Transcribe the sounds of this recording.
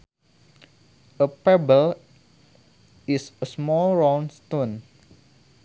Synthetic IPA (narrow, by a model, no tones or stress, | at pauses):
ʔəpɛbəl | isəsmɔlɹãwnst̪on